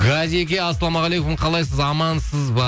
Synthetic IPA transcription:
ɡaziekʲeɑsːɑlˠɑmɑʁlejkʊmqʰɑlˠɑjs̬əzɑmɑnsəzbɑ

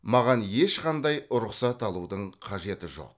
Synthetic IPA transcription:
mɑʁɑnje̞ʃqɑnd̪ɑjʊɾʊqsɑt̪ɑlˠud̪əɴqʰɑʒe̞t̪ɪʒo̞̰q̚

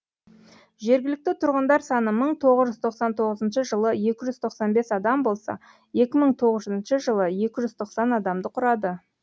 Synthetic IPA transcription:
ʒe̞ɾɡʲɪlɪk̚t̪ɪt̪ʰʊɾʁənd̪ɑɾsɑnəməɴt̪ʰo̞ʁəzʒʏzt̪ʰo̞qsɑnt̪ʰo̞ʁəzənʃəʒəlˠəje̞kʲɪʒʏzt̪ʰo̞qsɑnbe̞sɑd̪ɑmbo̞lˠsɑ̰ | je̞kʲɪməɴt̪ʰo̞ʁəzʒzənʃəʒəlˠəje̞kʲɪʒʏzt̪ʰo̞qsɑnɑd̪ɑmd̪əqʰʊɾɑd̪ə

